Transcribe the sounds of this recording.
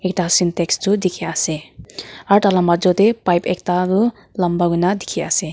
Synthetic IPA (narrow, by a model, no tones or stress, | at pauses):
ek̚ʈasinteksd͡zud̪ikʰiase | ʌɾʈʰalʌmbad͡zot̪epajpek̚t̪aɾu | lʌmbaɡunad̪ikʰiase